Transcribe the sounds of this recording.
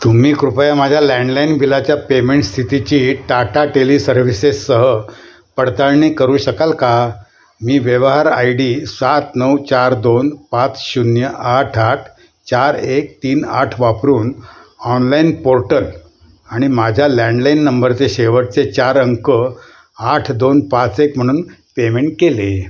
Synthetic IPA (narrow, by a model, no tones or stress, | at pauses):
t̪umiːkɾupajamad͡ʑʱjalɛ̃ɳɖlainbʱilat͡ɕjapemeɳʈst̪ʰit̪it͡ɕiːʈaʈaʈelisəɾʋ̤isesːəɦə | pəɽt̪aɭɳiːkəɾuːɕəkalka | miːʋjəʋɦaɾa̰jɽiːsat̪nəwt͡ɕaɾd̪onpãt͡sɕunjəʔaʈʰaʈʰ | t͡ɕaɾek̚t̪iːna̰ʈʰʋapɾuːnɔnlainpoɾʈəl | aɽ̃imad͡ʑʱjalɛ̃ɳɖlainːəmbəɾt͡seɕeʋəʈ̚t͡set͡ɕaɾəŋkə | aʈʰd̪onpat͡sekm̤əɽ̃uːnpemeɳʈ̚kele